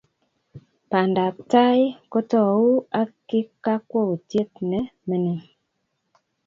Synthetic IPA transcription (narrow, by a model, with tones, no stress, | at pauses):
pa˨nda˨ta˦jko˦tɔ˦˨wu˦a˦ki˦ka˦kwo˦u˨tje˦t̚ne˨me˨ni˦